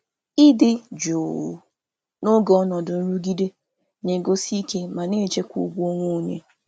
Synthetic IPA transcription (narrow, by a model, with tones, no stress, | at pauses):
ɪ˦dɪ˦d͡ʒo˨ | nʊ˦ɡɔ˨ɔ˦nɔ˨dʊ˨n̩˦ɾu˦ɡi˦de˦ | ne˨ɡo˦si˦i˦ke˦ma˨ne˦˨t͡ʃe˦kʷṵ˦ɡʷu˦o˦ŋʷo˦˨ɲḛ˦